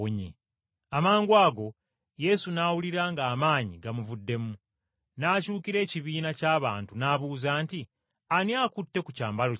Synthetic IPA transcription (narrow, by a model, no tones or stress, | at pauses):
oɲḛ | amaːŋɡwaːɡo̞ | je̞sunaːwuliɾaŋɡaːmaːɲiɡamuvudːe̞mu | naːcuːkiɾe̞ːciβiːnacaːβaːntunaːβuːzaːnti | aniakutːe̞kucaːmbalo